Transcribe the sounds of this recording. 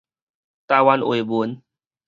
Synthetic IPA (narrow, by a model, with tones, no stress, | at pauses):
t̪aː˧˦wa˧nʔu˨˩˨bu˨˦n